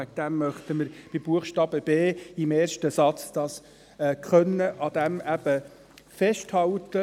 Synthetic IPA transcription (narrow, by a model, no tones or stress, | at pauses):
æk̚d̪̥æmːœχt̪əməɾb̥ib̥uəχʃtɑːbəb̥eːɪmeːrʃtəsɑt͡sd̥ɑːs | ɛːkχœnːəʔɑd̥̪æmæb̥ə | fɛʃthɑltə